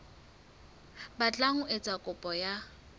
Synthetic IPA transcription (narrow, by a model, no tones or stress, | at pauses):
bat͡ɬʼaŋʊɪt͡sʼakʼʊpʼɔja